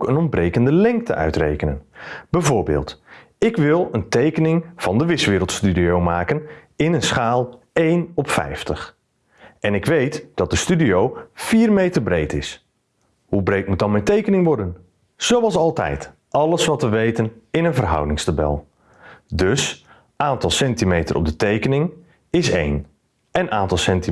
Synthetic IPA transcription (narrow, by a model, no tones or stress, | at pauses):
kənɔnbrejkəndəlɛŋk̚tə̰ʔœ̰ɥtrḛjkənə̰nb̥ɛjvʊːɹbḛːlˠt | ɪkʋɪlˠəntejkənɪŋv̥ɑndəʋɪsʋɪːɾəlˠtstydiowmaːkənɪnənsχaːlˠ | ejnɔpfɛ̰jftəχ | ɛnɪkʋejtd̥ɑt̚d̥əstydiowfiːrmejtərbrejtɪs | hubrejtmut̚dɑnmɛjntejkənɪŋʋɔɹdən | z̥owɑlˠsɑlˠtɛ̰jt | ʔɑləsʋɑtʋəʋejtənɪnənvərɦʌ̰wdɪŋstabɛ̰lˠ | dɵs | ʔaːntɑlˠsɛntimejtərʔɔ̰b̚dətejkənɪŋ | ɪsḛjn | ɛnaːntɑlˠsɛnti